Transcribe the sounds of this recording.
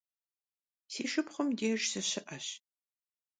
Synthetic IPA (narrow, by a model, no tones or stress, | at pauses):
siːʃɨpχʷʊmdeːʒsɨɕɪʔɐɕ